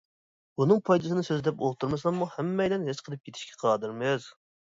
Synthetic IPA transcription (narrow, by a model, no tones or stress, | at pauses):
unɨŋpʰɑjd̪ɨsɨnɨsøzd̪ɛpo̰lˠt̪ʰuɾmɨsɑmːuhɛmːɛjd̪ɛnɦet͡ʃ̪qʰəlˠɨp̚jʰet̪ʰʃkʲʰɛ̥qʰɑd̪ɨɾmɪz̥